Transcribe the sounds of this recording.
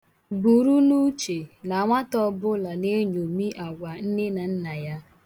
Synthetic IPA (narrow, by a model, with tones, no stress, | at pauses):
bu˨ɾu˦nu˦t͡ʃe˨la˨ŋʷa˦tɔ˦bʊ˦la˨ne˦ɲo˨mi˦ʔa˨ɡʷa˨n̩˦ne˦na˨n̩˦na˨ja˦